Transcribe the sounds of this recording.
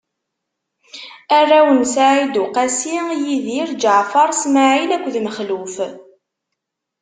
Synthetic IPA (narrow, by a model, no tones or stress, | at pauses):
ærːæwənsaʕid̪ʊqæsijiðiɾd͡ʒəʕfɑɾˤsmaʕilækʷːðməχluf